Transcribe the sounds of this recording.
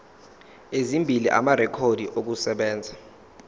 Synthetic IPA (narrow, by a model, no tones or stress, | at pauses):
ezimbʱiliʔa̰maɾɛkʰodʱiʔok̬usɛɓɛːnd͡zʱa